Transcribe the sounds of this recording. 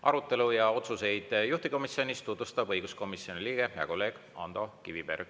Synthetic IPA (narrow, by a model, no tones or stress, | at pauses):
ɑ̰ɾut̪ːˑe̞lujɑo̞t̪suse̞jd̪̥juht̪iko̞misio̞nist̪ut̪vust̪ɑb̥ɤjɡ̥usko̞misjo̞niliːɡ̥e̞jɑ̰ko̞lːe̞ːɡ̥ | ɑ̰nd̪̥o̞kiviberɡ